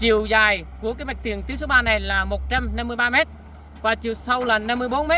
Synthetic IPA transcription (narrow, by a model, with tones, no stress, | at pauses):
t͡ɕi˨˩əwzaː˨˩jku˧˩əkaː˨˦jma˨˩k̚t̪i˨˩əŋt̪i˨˦ws̬o˨˦ɓaː˧na˨˩jlaː˨˩mo˨˩t̚t͡ɕa˧mna˧mːɨ˧əjɓaː˧mɛ˦˥t̚ | vaː˨˩t͡ɕi˨˩əwsa˧wlaː˨˩na˧mːɨ˧əjɓo˨˦nmɛ˦˥t̚